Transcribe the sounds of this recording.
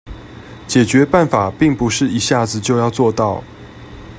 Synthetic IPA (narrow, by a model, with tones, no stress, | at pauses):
t͡ɕjɛ˨˩t͡ɕɥɛ˨˦pa˥˨˩nfa˨˩pi˥˨ŋpu˧˦ʂɻ̩˥˩i˧˥ɕja˥˩d͡zɹ̩˨t͡ɕjo˥˧ʊjɑ˥˧ʊt͡swɔ˥˧t̪ɑ˥˨ʊ